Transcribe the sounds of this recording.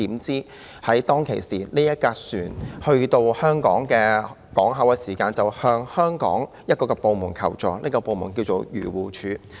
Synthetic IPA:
iː˨˥mt͡siː˥ | hɐ˨˥jt̪ɔː˥ŋkʰe˨˩jsiː˨˩liː˥jɐ˥t̚kaː˧syː˨˩nhɵ˧ɥt̪o˧whœː˥ŋkɔ̰ː˨˥ŋkɛː˧ | kɔː˨˥ŋɦɐ˨˥wkɛː˧siː˨˩kaː˧nt͡sɐ˨whœː˧ŋhœː˥ŋkɔ̰ː˨˥ŋ | jɐ˥t̚kɔː˧kɛ˧po˨˧wmʊ˨˩ŋkʰɐ˨˩wt͡ʃɔː˨lḭː˥kɔː˧po˨˧wmʊ̰˨˩ŋkiː˧wt͡so˨˧wjyː˨˩wuː˨˩t͡ʃʰyː˨˧

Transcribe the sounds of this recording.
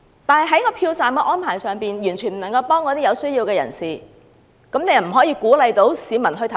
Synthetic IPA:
t̪aː˨˧nhɐ˨jɦɐ˨˥jkɔː˧pʰiː˧wt͡saː˨mkɛː˧ʔɔː˥npʰaː˨˩jsœː˨˧ŋpiː˨njyː˨˩nt͡ʃʰyː˨˩nm̩˨˩nɐ˨˩ŋkɐ˧wpɔː˥ŋkɔː˧iː˥jɐ˨˧wsɵ˥ɥjiː˧wkɛː˧jɐ̰˨˩nsiː˨˩ | kɐ˨˥mne˧jɐ˨˩m̩˨˩ɦɔː˨˥jiː˧kuː˨˥lɐ˨˧jt̪o˨˥wsiː˨˥mɐ˨˩nɦɵ˧ɥt̪ʰɐ˨

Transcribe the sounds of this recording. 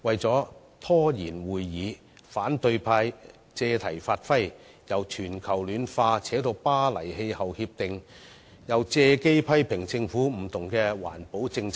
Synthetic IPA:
wɐ˨jt͡sɔː˨˥ | t̪ʰɔː˥jiː˨˩nwuː˨jːiː˨˧ | faː˨˥nt̪ɵ˧ɥpʰaː˧j | t͡sɛː˧t̪ʰɐ˨˩jfaː˧t̚fɐ˥j | jɐ˨˩wt͡ʃʰyː˨˩nkʰɐ˨˩wlyː˨˧nfaː˧t͡sʰɛː˨˥t̪o˧wpaː˥lɐ˨˩jhe˧jhɐ˨whiː˧p̚t̪ɪ˨ŋ | jɐ˨˧wt͡sɛː˧ke˥jpʰɐ˥jpʰɪ˨˩ŋt͡sɪ˧ŋfuː˨˥m̩˨˩t̪ʰʊ˨˩ŋkɛː˧wa̰ː˨˩npo˨˥wt͡sɪ˧ŋt͡s

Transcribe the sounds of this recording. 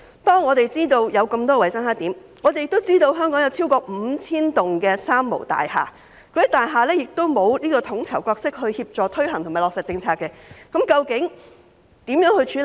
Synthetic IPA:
t̪ɔː˥ŋːɔː˨˧t̪e˨jt͡siː˥t̪o˧wjɐ˨˧wkɐ˧mt̪ɔː˥˧wɐ˨˩jsɐ˥ŋɦaː˨˥t̪iː˨˥m | ŋɔ˨˧t̪e˨jɪ˨kt̪o˥wt͡siː˥t̪o˧wɦœː˥ŋkɔː˨˥ŋjɐ˨˧wt͡sʰiː˥wkɔː˧m̩˨˧t͡sʰiː˥nt̪ʊ˨ŋkɛː˧saː˥mːo̰˨˩wt̪a̰ː˨jha̰ː˨ | kʰːt̪aː˨jɦaː˨˩lɛː˥jɪ˨k̚t̪o˥wmo˨˧wliː˥kɔː˧t̪ʰʊ˨˥ŋt͡sʰɐ˨˩wkɔː˧k̚sɪ˥k̚hɵ˧ɥhiː˧p̚t͡ʃɔː˨t̪ʰɵ˥ɥɦɐ˨˩ŋt̪ʰmaː˨˩lɔ˨ksɐ˨t̚t͡sɪ˧ŋt͡sʰaː˧kːɛ˧kɐ˨˥mkɐ˧wkɪ˨˥ŋ | t̪iː˨˥mjœː˨˥ŋhɵ˧ɥt͡ʃʰyː˨˥

